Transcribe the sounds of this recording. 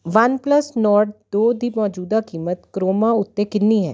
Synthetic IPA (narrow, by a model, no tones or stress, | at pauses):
ʋənpləsnɔːɾɖd̪oːd̪iːmɔːd͡ʒuːd̪akiːmət̪kɾoːmãʊt̪ːẽkɪnːiːɦɛ̰ː